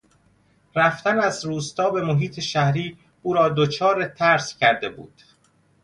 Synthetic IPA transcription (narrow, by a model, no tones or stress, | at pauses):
ɾæft̪ænæzɾuːst̪ɒːbe̞moɦiːt̪ʰe̞ʃæhɾiː | uːɾɒːd̪ot͡ʃʰɒːɾet̪ʰæɾscʰæɾd̪e̞bṵːd̪̥